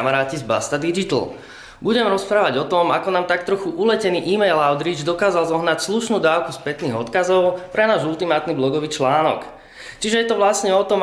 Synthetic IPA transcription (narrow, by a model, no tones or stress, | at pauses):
maɾaːcizba̰st̪ad̪id͡ʒit̪l̩ | buɟɛmɾɔspɾaːʋaɟɔt̪ɔmakɔnaːmt̪ak̚t̪ɾɔxuʔulɛcɛniːʔiːmɛjlaʊd̪ɾid͡ʒd̪ɔkaːzalzɔɦnacsluʃnuːd̪aːʊkuspɛt̪niːɣɔt̪kazɔʊpɾɛnaːʒulˠt̪imaːt̪niblɔɡɔʋiːt͡ʃlaːnɔ̰k | t͡ʃiʒɛjɛt̪ɔʋlasɲɛɔt̪ɔm